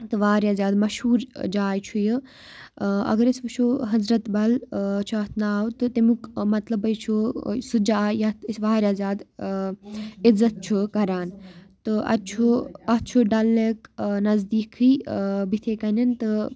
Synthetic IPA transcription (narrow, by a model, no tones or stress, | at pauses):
t̪ɨʋaːɾaːzʲaːd̪mɐʃhuːɾd͡ʒaːjt͡ʃʰujɨ | ɐ̰ɡɐɾisbɨt͡ʃʰuɦɐzɾɐt̪bɐlt͡ʃʰuɐt̪naːwt̪ɨt̪ɐmukmɐt̪lɐbɐjt͡ʃʰusud͡ʒaːjɐt̪sʋaːɾʲaːzʲaːd̪ | izːɐt̪̚t͡ʃʰukɐɾaːnt̪ɨɐ̰t͡ʃʰuɐt͡ʃʰuɖɐlːeknɐzd̪iːkʰːiːbit̪ʰeːkɐnɐnt̪ɨ